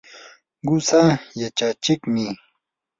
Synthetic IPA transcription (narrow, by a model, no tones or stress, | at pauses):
ɡʊsajat͡ʃat͡ʃɪkmɪ